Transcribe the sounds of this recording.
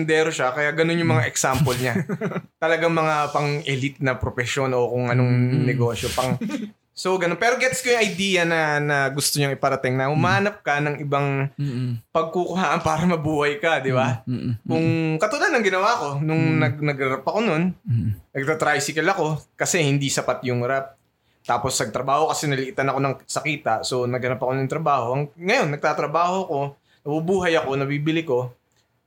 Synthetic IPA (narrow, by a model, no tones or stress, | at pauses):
nd̪ɛːɾoʃakɐjaɡɐno̞njʊŋmɐŋaʔɛksampolɲat̪ɐlɐɡaŋmɐŋapɐŋʔɛlɪt̪̚nɐpɾofɛʃo̞nʔokʊŋʔɐnoŋnɛɡo̞ːʃjopɐŋ | soɡɐnonpɛːɾoɡɛt̪skɐjʊŋʔɐjd̪iːjɐnɐnɐɡʊst̪oɲʊŋɪpɐɾɐt̪ɪŋnɐhʊmaaːnɐp̚kɐnɐŋʔɪbaŋ | pɐɡ̚kukʊhaːʔɐnpaːɾɐmɐbuːhɐjkɐd̪ɪbakʊŋkɐt̪ʊlalnːɐŋɡɪnɐwako̞nʊŋnɐɡnɐɡɾɐɾapɐko̞no̞nnɐɡ̚t̪at̪ɾajsɪkɐlɐko̞kɐsɛhɪnd̪isɐpat̪jʊŋɾap̚ | t̪aːpo̞snɐɡ̚t̪ɾɐbaːho̞kɐsɛnɐlɪʔɪt̪ɐnɐko̞nɐŋsɐkiːt̪ɐʔso̞nɐɡhɐnapɐkonʊnt̪ɾɐbaːho̞ʔɐŋŋɐjo̞nːɐɡ̚t̪aːt̪ɾɐbaːho̞ko̞ | nɐbʊbuːɦɐjɐko̞nɐbiːbɪlɪko̞